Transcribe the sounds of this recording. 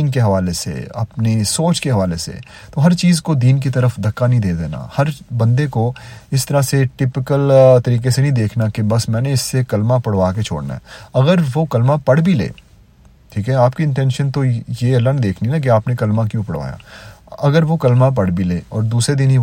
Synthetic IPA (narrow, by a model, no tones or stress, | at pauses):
nkeɦɐʋaːlesḛɐ̰pnesoːt͡ʃkeɦɐʋaːlesḛ | t̪oɦɐɾt͡ʃiːzkod̪iːnkit̪̬ɐɾəfd̪ʱɐkːanɐɦĩd̪eːd̪ḛːna̰hɐɾbɐ̃nd̪ekoɪst̪ɐɾaseʈɪpɪkəlt̪ɐɾiːkesenɐɦĩd̪eːkʰnakebɐsmɛ̃ːneɪsːekɐlmapɐɽʋaːket͡ʃʰo̰ːɽna̰ɦɛ̰ɐɡəɾʋokɐlmapɐɽbʱilḛː | ʈʰiːkɦɛaːpkiɪ̃ɳʈɛ̃ːnʃənt̪ojelə̃ɳd̪eːkʰninak̬iaːpnekɐlmakjũpɐɽʋa̰ːja̰ɐɡəɾʋokɐlmap̬ɐɽ̤bʱileːɔ̰ːɾd̪uːsɾed̪inɦi